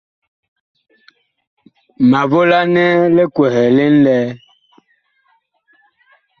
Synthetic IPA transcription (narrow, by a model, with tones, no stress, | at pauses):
ma˨vo˦la˦nɛ˦le˦kwɛ˨hɛ˨le˦n̩˦lɛ˦